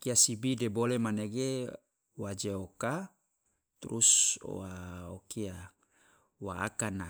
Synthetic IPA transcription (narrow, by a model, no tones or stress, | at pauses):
kiasibidebolemaneɡe | wad͡ʒeoka | t̪uɾuso̰waokia | waa̰kana